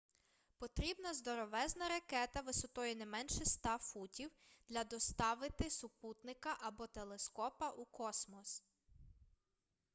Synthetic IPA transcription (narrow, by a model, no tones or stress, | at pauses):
pɔt̪ɾʲibnɐzd̪ɔɾɔʋɛznɐɾɐkɛt̪ɐʋɪsɔt̪ɔjɛnɛmɛnʃɛst̪ɑfutʲiwd̪̥lʲɐd̪ɔst̪ɑʋɪt̪ɪsʊput̪nɪkɐʔɐbɔt̪elˠeskɔpɐʔukɔsmɔs